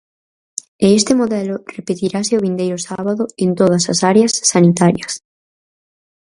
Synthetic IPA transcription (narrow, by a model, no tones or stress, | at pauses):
eest̪emoðɛlʊrepet̪iɾasɪʊβ̞ind̪ejɾʊsaβaðʊent̪oðɐsɐsaɾeɐsːanit̪aɾjɐs